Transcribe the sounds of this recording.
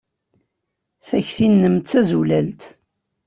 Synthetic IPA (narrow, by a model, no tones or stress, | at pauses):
θæçθinːəmt̪t͡sːæzulælt̪